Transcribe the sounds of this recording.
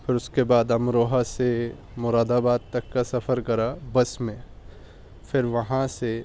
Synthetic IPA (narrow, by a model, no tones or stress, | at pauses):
pʰɪɾʊskebaːd̪ɐmɾoːɦase | mʊɾaːd̪abaːd̪̚t̪ɐkːasɐpʰəɾkɐɾabɐsmẽ | fʰɪɾʋɐɦãse